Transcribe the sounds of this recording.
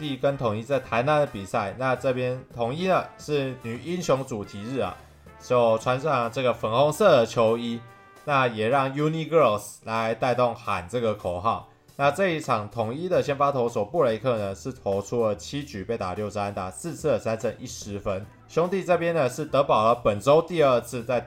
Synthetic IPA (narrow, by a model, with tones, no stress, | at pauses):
t̪i˥˩kə˦˥nt̪ʰʊ˨˩ŋi˦˥t͡sa˥˩ɪt̪ʰa˧˥ɪna˧˥nd̪ə˨˩pi˨˩sa˥˩ɪna˥˧ʈ͡ʂɤ˥˩pjɛ˥nt̪ʰʊ˨˩ŋi˥nə˨ʂɻ̩˥˩ny˨˩i˦˥nɕjʊ˧˥ŋt͡su˨˩t̪ʰi˧˥ɻ̩˥˩a̰˨˩ | t͡ɕjo˥˩ʊt͡sʰwa˧˥nʂɑ˥˩ŋʈ͡ʂɤ˥˩ɡə˩fə˨˩nxɔ˧˥ŋsɤ˥˩d̪ə˩t͡ɕʰjo˧˥ʊi˥ | na˥˩jɛ˨˩ɻɑ˥˩ŋju˥ni˥˧kə˥˧˥sla˧˦ɪt̪a˥˧ɪt̪o˥˩ŋxa˨˩nʈ͡ʂɤ˥˩ɡə˩kʰo˨˩ʊxɑ˥˩ʊ | na˥˧ʈ͡ʂɤ˥˧i˥˩ʈ͡ʂʰɑ˨˩ŋt̪ʰʊ˨˩ŋi˦˥d̪ə˨ɕjɛ˥˧nfa˥t̪ʰo˧˥ʊswɔ˨˩pu˥˨le˧˥ɪkʰɤ˥˩nə˨ʂɻ̩˥˩t̪ʰo˧˥ʊʈ͡ʂʰu˥lə˨t͡ɕʰi˥t͡ɕy˨˩pe˥˩ɪt̪a̰˨˩ljo˥˩ʊsa˦˥nt̪a˨˩sɹ̩˥˧t͡s̩ʰ˥˩˨sa˥nt͡sʰə˥˧˥ŋʔi˥˩ʂɻ̩˧˦fə˦n | ɕjʊ˥ŋt̪i˥˧t͡sɤ˥˩pjɛ˥nd̪ə˨ʂɻ̩˥˩t̪ɤ˧˥pɑ˨˩ʊlə˦pə˨˩nʈ͡ʂo˥ʊt̪i˥˧ə˥˧t͡s̩ʰ˥˧t͡sa˥˩ɪ